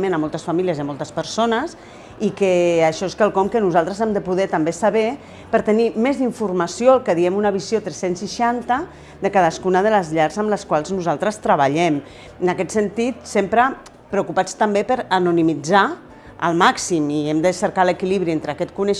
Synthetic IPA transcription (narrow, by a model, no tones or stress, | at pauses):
mẽnəmɔlˠt̪əsfamiliəziamɔlˠt̪əspəɾsonəs | ikəːʃɔeskalˠkɔmkənuzalˠt̪ɾəzɛmd̪əpuðɛt̪ambesaβe | pəɾt̪ənimezðiɱfurmasjoəlˠkəðiɛmunəβizjot̪ɾesensːiʃant̪ə | d̪əkaðaskunəðələzʎaɾzəmləskwalˠznuzalˠt̪ɾəst̪ɾəβaʎɛm | ənakɛt̪sənt̪it̪sempɾə | pɾəukupat͡st̪ambepəɾanunimid͡za | ə̰lˠmaksimiɛmd̪əsəɾkaləkiliβɾient̪ɾəːkɛt̪kunəʃ